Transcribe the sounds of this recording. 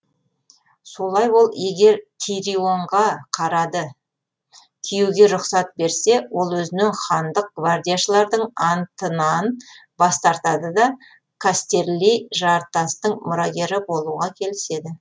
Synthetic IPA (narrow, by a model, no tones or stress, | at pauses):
so̞lˠɑjwo̞lˠje̞ɡʲe̞ɾt̪ʲʰiɾio̞ɴʁɑqʰɑɾɑd̪ə | kʲʰijuɡʲe̞ɾʊqsɑt̪̚be̞ɾse̞wo̞lˠwɵzɪnɪŋχɑnd̪əq̚ɡ̥vard̪ijaʃəlˠɑɾd̪əɴɑnt̪ənɑn | bɑst̪ɑɾt̪ɑd̪əd̪ɑ | kʰast̪e̞ɾlijʒɑɾt̪ɑst̪əɴmʊɾɑɡʲe̞ɾɪbo̞lˠuʁɑkʲʰe̞lɪse̞d̪ɪ